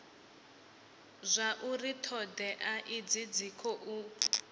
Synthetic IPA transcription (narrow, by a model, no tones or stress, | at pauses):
zʷaʔuritʰɔdɛʔaʔid͡zid͡zikʰɔʔu